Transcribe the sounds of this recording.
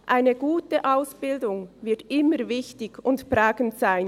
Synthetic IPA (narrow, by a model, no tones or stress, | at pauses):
ʔaɪnəɡ̥uːtəʔaʊsb̥ɪldʊŋvɪɐtʔɪməvɪçtɪɡʊntpʁaːɡən̩tz̥aɪn